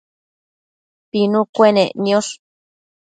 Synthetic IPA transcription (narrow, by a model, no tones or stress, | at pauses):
pinukʷeneʔnioɬ